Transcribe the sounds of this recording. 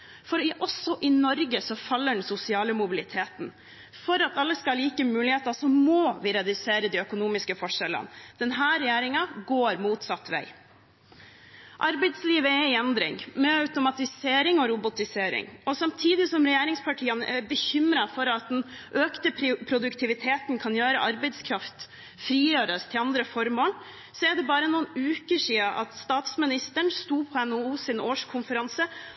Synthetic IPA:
fɔɾɪʔɔsɔʔɪnɔɾɡəsɔfɑlːəɖɛnsʊsɪɑːləmʊbɪlɪt̪ʰeːt̪n̩ | fɔɾɑt̪ɑlːəskɑliːkəmʉːlɪheːt̪ɑsɔmɔʋɪɾɛd̪ʉseːɾəd̪ɪœkʊnuːmɪskəfɔʂɛlːə̰nd̪̥ɛnɦæːɾɛjeːɾɪŋɑɡoːɾmuːt̪sɑt̪ːʋæ̰ɪ | ʔɑɾbɛɪd̪sliːʋəɛɪɛnd̪ɾɪ̰ŋmɛɑʉt̪ʊmɑt̪ɪseːɾɪŋɔɾʊbʊt̪ɪseːɾɪ̰ŋɔsɑmt̪ʰiːd̪ɪsɔmɾɛjeːɾɪŋspʰɑʈʰiːənʔɛ̰ɾbəçʏmɾɑfɔɾɑt̪̚d̪ɛn | ʔøːkt̪əppʰɾʊd̪ʉkt̪ʰɪʋɪt̪ʰeːt̪n̩kʰɑnjøːɾəʔɑɾbɛɪd̪skʰɾɑft̪ | fɾiːjøːɾəst̪ʰɪlɑnd̪ɾəfɔɾmoːl | sɔɛɖɛbɑːɾənuːənʉːkəʂiːəʔɑ̰t̪st̪ɑːt̪smɪnɪst̪əɳst̪uːpʰɔɛnouːsɪnoːʂkʰʊnfəɾɑnsə

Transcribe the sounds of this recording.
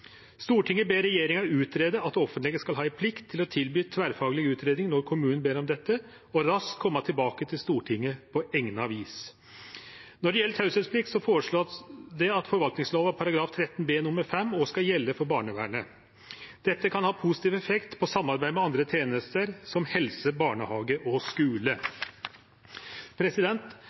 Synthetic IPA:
st̪uːʈʰɪŋːəbeːɾɛjeːɾɪŋɑʉːt̪ɾeːd̪əɑt̪ɔfənt̪lɪɡəskɑlɦɑːɪpʰlɪkt̪ʰːɪlɔt̪ʰɪlbyːt̪ʰʋæːɾfɑːɡəlɪɡʉːt̪ʰɾeːd̪nɪŋnɔɾkʰʊmʉːnənbeːɾɔmd̪ɛt̪ːə | ɔɾɑskkʰːɔmːɑt̪ʰɪlbɑːkət̪ʰɪlst̪uːʈʰɪŋːəpʰɔɛŋnəɑʋiːs | nɔɖɛjɛlət̪hɑʉsɛspʰlɪk̚t̪sɔfoːɾəʂɭoːd̪ɛɑt̪fɔɾʋɑlt̪nɪŋsloːʋæɾpʰɑɾɑɡɾɑːft̪ʰɾɛt̪ːnbeːnʊməɾfɛmːɔskɑjɛlːəfɔɾbɑːɳəʋæːɳə | d̪̥ɛt̪ːəkʰɑnhɑːpʰusɪ̥t̪iːʋɛfɛkt̪pʰɔsɑmːɑɾbæɪmɛɑnd̪ɾət̪ʰeːnəst̪əɾsɔmhɛlsəbɑːɳəhɑːɡəʔɔskʉːlə | pʰɾɛsɪd̪ɛnt̪

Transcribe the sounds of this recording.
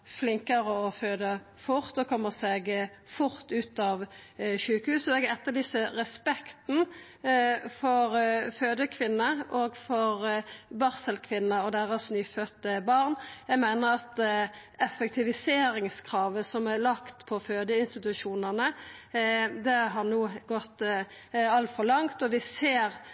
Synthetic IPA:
flɪŋkəɾəɔføːd̪ə | fʊʁt̪ɔkʰɔmːəsɛɡ | fʊʁt̪ʉːt̪ɑʋʃʉːkəhʉːsɔɛɡɛt̪ːəlɪːsəʁɛspɛkt̪n̩ | fɔɾføːd̪əkʰʋɪnːəʔoɡfɔɾbɑʁsəlkʰʋɪnːəɔd̪æʁəsnyːfœt̪ːəbɑʁnjɛɡmeːnəʁɑt̪ | ɛfɛk̚t̪ʰɪʋɪseːɾɪŋskʰɾɑːʋəsɔmælɑkt̪pʰɔføːd̪əɪnst̪ɪt̪ʉʃuːnəʁnə | d̪ɛɦɑʁnuːɡɔt̪ː | ɑlt̪fɔʁlɑŋt̪ɔʋɪseːɾ

